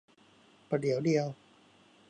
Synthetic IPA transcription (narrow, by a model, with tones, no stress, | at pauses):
pa˧˩di˩˦əwdi˧əw